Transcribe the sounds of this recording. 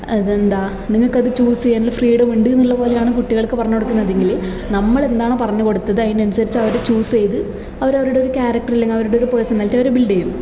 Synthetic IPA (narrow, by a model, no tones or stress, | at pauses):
ɐðend̪aː | niŋːɐɭkːɐðɨt͡ɕuːsejaːnilfriːɽɐmʋiːɳɖinːilːɐpo̞ːlejaːɳɨkuʈːiɣɐɭkːɨpɐrɐɲːukoɽukːunːɐðe̞ŋɡil | nɐmːɐɭe̞nd̪aːɳɨpɐrɐɲːuko̞ɽut̪ːɐðɨɐjinɐnusɐɾit͡ɕːɐʋɐɾet͡ɕuːse̞jt̪ɨ | ɐʋɐɾɐʋɐɾuɽe̞oɾukʲaːɾɐk̚ʈɐrilːeŋɡiɐʋɐɾuɽeoɾupo̞jsɐnːaːltːɐʋɐɾebiɭɖejum